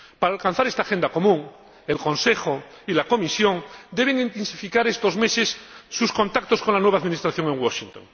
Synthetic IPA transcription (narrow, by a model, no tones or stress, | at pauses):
paɾaːlkãn̟θaɾest̪axend̪ako̞mũŋ | e̞lkõ̞nse̞xo | ilako̞misjo̞ŋd̪e̞β̞eŋint̪ensifikaɾest̪o̞zmesesːusko̞nt̪ak̚t̪osko̞nlanweβaðminist̪ɾaθjo̞ŋeŋwoʃint̪oŋ